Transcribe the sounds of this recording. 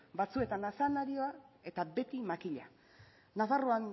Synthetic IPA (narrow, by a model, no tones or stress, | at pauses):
bat͡sue̞t̪anasanaɾioae̞t̪abe̞t̪imakiʎa | nafaroan